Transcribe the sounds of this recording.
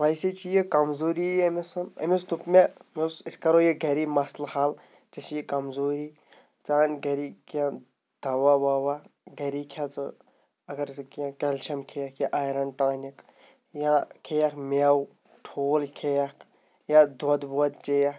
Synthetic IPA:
ʋɐjset͡ʃʰijikɐmzoːɾiemesɐnɐ̰mest̪upmemesisʲkɐɾojiɡʱɐɾimɐslhal | t͡ʃɐt͡ʃijikɐmzoːɾiː | t͡saːnʲɡɐɾiːkjã | d̪̥ʱɐwabaːwaɡɐɾiːkʰjat͡sɨ | ɐɡɐɾskjãkɐlt͡ʃʰɐmkʰejakjaʔajɾɐnʈaːnʲik | jãkʰejakmaw | ʈʰoːlkʰejɐkʰ | jãd̪ɔd̪boɐd̪̚t͡ʃejak

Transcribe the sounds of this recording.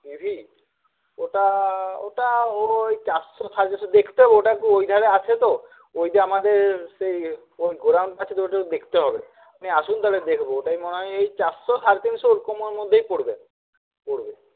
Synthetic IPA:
ibʱi | oʈaoʈaoejt͡ʃasɔsʰaɾt̪insɔd̪ekʰi̥t̪eɦɔbeoʈakuojd̪ʱaɾeat͡ʃʰet̪o | ojd̪ʱeamad̪eɾsej | ojɡoɾawɳʈat͡ʃʰit̪oʈaud̪ekʰi̥t̪eɦɔbe | uniasund̪aled̪ekʰbooʈajmɔneɦɔjejt͡ʃasɔsaɾt̪insɔoɾkɔmɔɾmod̪ʱːejpoɽbe | poɽbe

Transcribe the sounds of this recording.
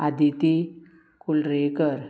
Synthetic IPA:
ad̪it̪i | kulɾekəɾ

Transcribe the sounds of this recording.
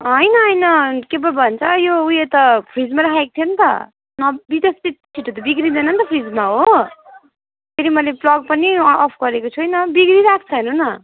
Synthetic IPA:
ɦʌjnʌɦʌjnʌkebʌbʱʌnt͡sʰʌjoujet̪ʌpʰrid͡zmaɾakʰaekot̪ʰijent̪ʌ̰ | nʌbit̪est̪it̪̚t͡sʰiʈːot̪ʌbiɡɾid̪ʌnʌnt̪ʌpʰrid͡zmaɦo | pʰeɾimʌleplʌɡ̚pʌniʌpʰɡʌɾekot͡sʰuɦʌjnʌbiɡɾiɾakʰt͡sʰʌɦenunʌ

